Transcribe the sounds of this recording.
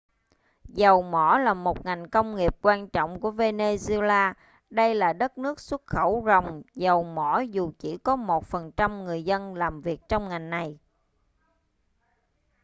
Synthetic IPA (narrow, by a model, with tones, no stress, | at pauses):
zə˨˩wmɔ˧˩˦laː˨˩mo˨˩t̚ŋa˨˩jŋ̟kə˧wŋ͡mŋi˨˩əp̚kwaː˧nt͡ɕɔ̰˧˨wŋ͡mku˧˩əve˧ne˧zlaː˧ | ɗə˧jlaː˨˩ɗə˦˥t̚nɨ˦˥ək̚swə˦˥t̚xə˧˩wzə˨˩wŋ͡mzə˨˩wmɔ˧˩˥zu˨˩t͡ɕi˧˩kɔ˨˦mo˨˩t̚fə˨˩nt͡ɕa˧mŋɨ˨˩əjzə˧nlaː˨˩mvi˨˩ək̚t͡ɕɔ˧wŋ͡mŋa˨˩jŋna˨˩j